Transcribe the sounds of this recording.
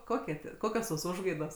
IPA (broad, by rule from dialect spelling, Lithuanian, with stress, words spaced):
ˈkoːkʲiɛ tʲiɛ ˈkoːkʲoːs toːs ˈʊʒɡɐɪdoːs